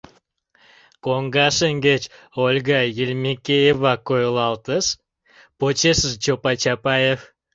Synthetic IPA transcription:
koŋɡɑʃəŋɡet͡ɕ | olʲɡɑjelʲmʲekʲejevɑkojlˠɑlt̪əʃ | pot͡ɕeʃəʒt͡ʃopɑt͡ɕɑpɑjef

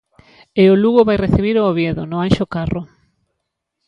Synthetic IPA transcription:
ɪʊluɣoβajreθiβ̞iɾooβjeðo̰nʊanʃokaro

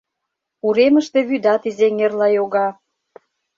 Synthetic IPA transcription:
uɾeməʃt̪eβyd̪ɑt̪izeŋerlɑjoɣɑ

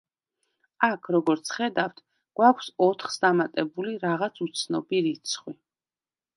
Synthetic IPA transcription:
akʰɾɔɡɔɾt̪sʰχɛd̪aft̪ʰ | ɡ̥wakʷʰsɔt̪ʰχsd̪amat̪ʼɛbuliɾaʁat̪sʰut̪sʰnɔ̰biɾit̪sʰχwi

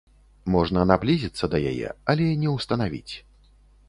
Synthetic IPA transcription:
mɔʐnɐnablʲizʲit̪sːɐd̪ɐja̰jɛ̰ɐlʲɛnʲɛwst̪ɐnavʲḭt͡sʲ

